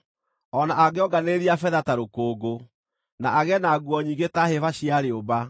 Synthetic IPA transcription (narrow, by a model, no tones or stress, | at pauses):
ɔnaʔaɡeɔɡaneɾiafɛðataɾokoːɡo | naʔaɣɛnaɡwɔɲiːɡetahefaɕiaɾeoba